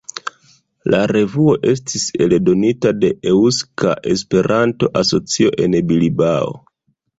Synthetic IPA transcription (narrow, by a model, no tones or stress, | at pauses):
laɾe̞vuo̞ʔe̞s̬tʰise̞ldo̞nitade̞ʔeuska̰ʔe̞spe̞ɾʔanto̞ʔaso̞t͡sio̞ʔe̞nbilibao̰